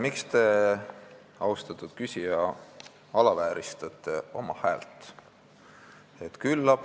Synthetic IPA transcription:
mikst̪e̞ | ɑust̪ɑt̪ːˑud̪̥kysʲijɑ | ɑlɑvæːɾʔist̪ɑt̪ˑːe̞o̞mɑhæːlt̪ˑ | e̞t̪kylːɑb̥

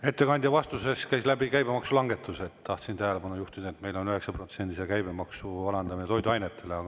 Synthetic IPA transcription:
e̞t̪ːe̞kɑnʲd̪jɑvɑst̪use̞skæjslæbikæjbemɑksulɑŋɡ̥e̞t̪ːˑuse̞t̪t̪ɑht̪sint̪æɦele̞bɑnujuht̪id̪ɑet̪me̞jlo̞nyhe̞ksɑpro̞t̪send̪isekæjbe̞mɑksuɑlɑnd̪ɑminet̪o̞jd̪uɑjnet̪ːˑe̞leɑɡ

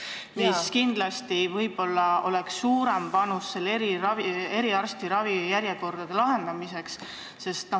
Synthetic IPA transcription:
miskind̪̥lɑst̪ivɤjb̥o̞lːɑo̞leksːuːɾempɑnusːe̞lːeɾiɾɑvie̞ɾiɑrst̪iɾɑvijæɾjeko̞rd̪̥ɑd̪̥elɑɦe̞nd̪ɑmise̞ks | se̞st̪

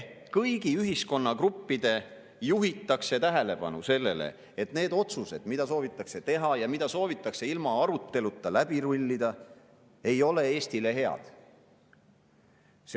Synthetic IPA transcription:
kɤjɡiyɦisko̞nːɑkrupːid̪̥e̞ | juɦit̪ːˑɑkse̞t̪æɦe̞le̞b̥ɑ̰nuse̞lːe̞lḛ | et̪ne̞ːd̪o̞t̪suse̞d̪̥mid̪̥ɑso̞ːvit̪ˑːɑkse̞t̪e̞ɦɑjɑmid̪̥ɑso̞ːvit̪ːˑɑkse̞ilmɑɑɾut̪ːe̞lut̪ːˑɑlæb̥iɾulʲːid̪̥ɑ | e̞jo̞le̞e̞ːst̪ile̞ɦe̞ɑ̰d̪̥ | s

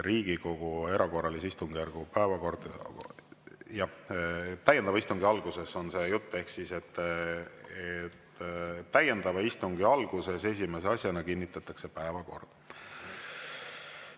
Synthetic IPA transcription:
ɾiːɡ̥iko̞ɡ̥ue̞ɾʔɑko̞rːɑlisist̪uŋɡ̥jærɡ̥upæevɑko̞rd̪̥ | jɑht̪ːæjed̪̥ɑvɑist̪uŋɡ̥iɑlɡ̥use̞so̞nse̞ːjut̪ːˑe̞hksise̞t̪ː | et̪ːæje̞nd̪̥ɑvɑist̪uŋɡiɑlɡ̥use̞se̞s̬ʲime̞seɑsʲjɑnɑkinːit̪ːˑɑt̪ːˑɑkse̞pæevɑko̞̰rd̪̥

